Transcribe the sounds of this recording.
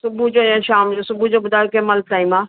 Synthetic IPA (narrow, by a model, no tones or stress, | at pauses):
sʊbʱud͡ʒoːãʃaːmd͡ʒoːsʊbʱud͡ʒoːbʊd̪ʱaːokemɐlʈ̪aːimaː